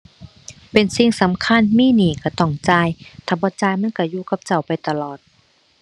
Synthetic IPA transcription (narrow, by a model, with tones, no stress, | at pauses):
pe˨nsi˧˨ŋsa˨˦mkʰa˧˥˨nmiː˧˥˨niː˨˩kʰa˧˩t̪ɔ˧˩ŋt͡ɕaː˧˨jt̪ʰaː˧˩bɔː˧˦t͡ɕaː˧˨jma˧˥˨nka˧˩juː˧ka˧˦p̚t͡ɕa˧˩wpa˨jt̪a˧lɔː˨˩t̪̚